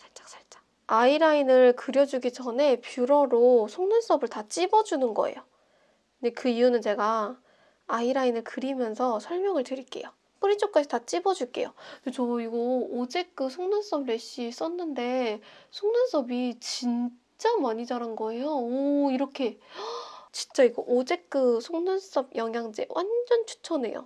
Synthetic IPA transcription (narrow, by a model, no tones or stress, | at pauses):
sʰaɭt͡ɕ͈ḁks͈ʰaɭt͡ɕ͈ḁ | aiɾainɯɭkɯɾjʌd͡ʑuɡid͡ʑʌne̞pjuɾʌɾosʰoŋnɯns͈ʌbɯɭtat͡ɕ͈ibʌd͡ʑunɯnɡʌ̰e̞̰jo | nde̞kɯijunɯnt͡ɕe̞ɡaː | iɾainɯɭkɯɾimjʌnsʰʌsʰʌɭmjʌŋɯɭtɯɾik͈e̞̰jo | p͈ɯɾit͡ɕ͈ʰok̚k͈ad͡ʑʰitat͡ɕ͈ibʌd͡ʑuɭk͈e̞̰jodet͡ɕʌiɡʌod͡ʑe̞k̚k͈ɯsʰoŋnɯns͈ʌbɾe̞ɕ͈is͈ʌnːɯnde̞sʰoŋnɯns͈ʰʌbit͡ɕin | t͡ɕ͈amaɲid͡ʑaɾanɡʌe̞joʌiɾʌkʰe̞ | t͡ɕint͡ɕ͈aiɡoʔod͡ʑe̞k̚k͈ɯsʰoŋnɯns͈ʌb̚jʌŋɦjaŋd͡ʑe̞̰wʔa̰nd͡ʑʌnt͡ɕʰu̥t͡ɕʰʌne̞̰jo̰